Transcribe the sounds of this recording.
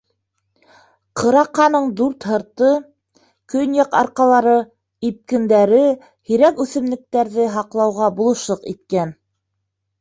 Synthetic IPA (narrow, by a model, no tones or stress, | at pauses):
qɤ̆ɾɑqːɑnɤɴd̪uɾt̪hɤ̆ɾt̪ɤ | kɵnjɑqɑ̰ɾqɑlˠɑɾɤ | ip̚kɘ̆nd̪æɾɘ | hiɾækʉθɘ̆mlɘ̆k̚t̪æɾðɘɦɑqlˠɑwʁɑbulˠɤ̆ʃlˠɤqit̪̚kæn